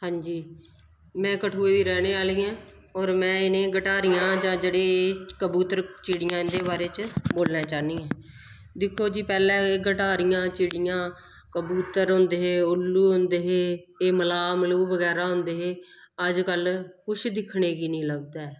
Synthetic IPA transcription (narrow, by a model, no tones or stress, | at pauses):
hãːɲd͡ʒiː | mɛ̃ːkəʈʰoːiːd̪iːɾɛːneːaːliːãː | ɔːɾmɛ̃ːɪnẽːɡəʈaːɾɪjãːd͡ʒãːd͡ʒeːɽeːeːkəbuːt̪əɾt͡ʃiːɽɪjãːɪnd̪eːbaːɾeːt͡ʃəboːlnãːt͡ʃaːniːãː | d̪ɪkʰːoːd͡ʒiːpɛːlɛ̃ːeːɡəʈaːɾijãːt͡ʃɪːɽɪjãː | kəbuːt̪əɾɦõnd̪eːɦeːʊlːuːɦõnd̪eːɦeː | eːməlaːməluːbəɡɛːɾaːɦʊ̃nd̪eːɦeː | əd͡ʒkəlkʊt͡ʃʰd̪ɪkʰɳeːɡiːnĩːləɡd̪aːɛː